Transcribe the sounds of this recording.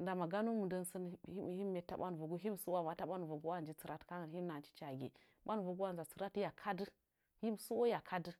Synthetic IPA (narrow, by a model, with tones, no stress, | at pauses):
nda˨ma˨ɡa˦nu˦mu˨də˦nsə˦n˦i˦˨hi˦mː˦e˨ta̰˦˨ɓa̰˦n˨vu˨ɡu˦ɦi˦m˨su˦wa˦˨ma˨ta˦ɓa˦n˨vu˨ɡu˦wa˦˨nd͡ʒi˦t͡sə˨ɾa˦tka˦ŋə˨nɦi˦m˦a˨t͡ʃi̥˦t͡ʃa˨ɡʲḛ˨ | ɓa˦n˨vu˨ɡu˦wa˦n˨za˨t͡sə˨ɾa˦tja˨kʰa˦dɨ˦ | hi˦msu˦wo˦ja˨kʰa˦dɨ˦